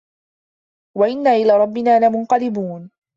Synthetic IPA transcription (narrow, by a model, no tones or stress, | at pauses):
waʔɪnːaːʔɪlaːɾˤɑbːɪnaːlamʊnqɑlɪbuːn